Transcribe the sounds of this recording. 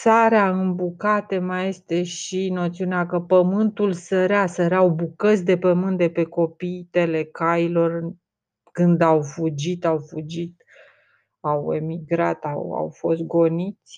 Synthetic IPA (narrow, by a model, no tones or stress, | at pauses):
saɾeaɨmbukat̪əmaje̞st̪e̞ʃino̞t̪siuneakəpəmɨnt̪ulsəɾeasəɾeawbukət̪sʲd̪e̞pəmɨnt̪̚d̪e̞pe̞ko̞pijt̪ele̞kajilo̞r | kɨnd̪awfud͡ʒit̪awfud͡ʒit̪ | awe̞miɡɾat̪a̰wa̰wfo̞st̪̚ɡo̞nit̪sʲ